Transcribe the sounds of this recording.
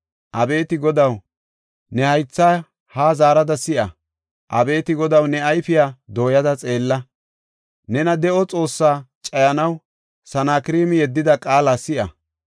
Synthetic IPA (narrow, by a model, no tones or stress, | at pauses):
ʔɐbe̞ːt̪ɪɡɔd̪ɐw | nɛhɐjt͡sːa | haːzaːɾɐd̪ɐsɪʔɐ | ʔɐbe̞ːt̪ɪɡɔd̪ɐwnɛɐjfɪjaːd̪o̞ːjɐd̪ɐt͡sʼe̞ːlːɐ | nɛnɐd̪ɛʔɔt͡sʼo̞ːsːaːt͡ʃʼɐjɐnɐw | sɐnaːkɪɾiːmɪjɛd̪ːɪd̪ɐkʼaːlasɪʔɐ̰